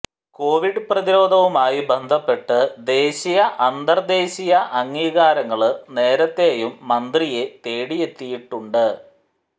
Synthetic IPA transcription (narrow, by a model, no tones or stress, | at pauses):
ko̞ːʋiɖɨprɐðiɾo̞ːd̪ʱɐʋumaːjibe̞nd̪ʱɐpːe̞ʈːɨd̪e̞ːɕijɐʔɐnd̪ɐrd̪e̞ːɕijɐʔɐŋːiːɣaːɾɐŋːɐɭɨne̞ːɾɐt̪ːe̞ːjumːɐnd̪rije̞t̪eːɽije̞t̪ːijiʈːuɳɖɨ